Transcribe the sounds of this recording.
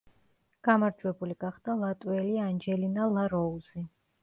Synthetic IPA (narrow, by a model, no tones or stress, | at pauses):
ɡ̥amaɾd͡ʒwɛbuliɡ̥aχd̪̥alˠat̪ʼwɛliand͡ʒɛlinalˠaɾɔuzi